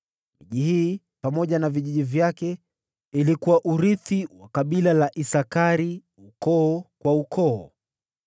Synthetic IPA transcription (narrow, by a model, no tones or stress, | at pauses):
miʄihiː | pamɔʄanaviʄiʄivjakɛ | ilikuwaʔuɾiθiwakaɓilalaʔisakaɾi | ukɔːkwaukʰɔː